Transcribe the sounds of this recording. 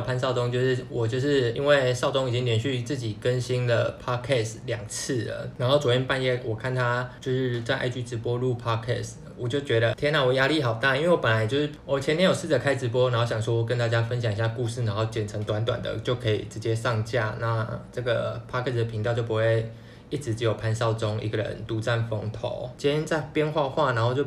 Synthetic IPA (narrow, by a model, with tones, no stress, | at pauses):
pʰa˥nsɑ˥˩ʊtʊ˥ŋt͡ɕjo˥˧ʊʂɻ̩˥˩wɔ˨˩t͡ɕjo˥˧ʊʂɻ̩˥˩ḭ˥nwe˥˧ɪsɑ˥˩ʊt̪ʊ˥ŋi˨˩t͡ɕi˦ŋljɛ˧˥nɕy˥˧t͡sɹ̩˥˩t͡ɕi˨˩kə˦nɕi˥nlə˨pʰɑ˥kʰɛ˥˩sljɑ˨˩ŋt͡s̩ʰ˥˩lə̰˩na˧˥nxo˥˩t͡swɔ˧˩tʰjɛ˥npa˥˧njɛ˥˩wɔ˨˩kʰa˥˩nt̪ʰa˥t͡ɕjo˥˧ʊʂɻ̩˥˧t͡sa˥˧ɪʔa̰˥˩ɪt͡ɕy˧˥ʈ͡ʂɻ̩˧˥pwɔ˥lu˥˩pʰɑ˦˥kʰɛ̰˥˩s | wɔ˨˩t͡ɕjo˥˩ʊt͡ɕɥɛ˧˥ɾə˧t̪ʰjɛ˥na˥˩wɔ˨˩ja˦˥li˥˩xɑ˨˩ʊt̪a˥˩˨i˥nwe˥˩ɪwɔ˦pə˨˩nla˧˦ɪt͡ɕjo˥˧ʊʂɻ̩˥˩wɔ˨˩t͡ɕʰɛ˧˥njɛ˥njo˨˩ʊsɻ̩˥˩t͡sə˨˩kʰa˥ɪt͡sɻ̩˧˥pwɔ˦˥na˧˥nxo˥˩ʊɕjɑ˨˩ŋswɔ˥wɔ˨˩k̬ə˦nt̪a˥˧t͡ɕja˦˥fə˦nɕjɑ˨˩ŋi˧ɕja˥˧ku˥˧ʂɻ̩˥˩na˧˥ŋxo˥˩ʊt͡ɕjɛ˨˩nʈ͡ʂʰɤ˧˥ŋt̪wa˧˥nt̪wa̰˨˩nd̪ə̰˦˩t͡ɕjo˥˩ʊkʰɤ˧˥ḭ˨˩ʈ͡ʂɻ̩˧˥t͡ɕjɛ˦˥ʂɑ˥˧ŋt͡ɕja̰˥˩na˥˧ʈ͡ʂɤ˥˩ɡə˩pʰa˥kʰɛ˥˩sd̪ə˩pʰi˧ŋt̪t͡ɕjo˥˩pu˧˦xwe˥˩ɪ | i˥˩ʈ͡ʂɻ̩˧˥t͡ɕɻ̩˧˥jo˨˩ʊpʰa˧˥nsɑ˥˩ʊt͡so˦ŋḭ˧˥ɡə˨ɻə̰˧˦nt̪u˧˥t͡sa˥˩nfɔ˧˥ŋt̪ʰo̰˨˩˦ʊt͡ɕʰi˧˥jɛ˥nt͡sa˥˩ɪpjɛ˥˧nxwa˥˧xwa˥˩na˧˥nxo˥˧ʊt͡ɕjo˥˧˩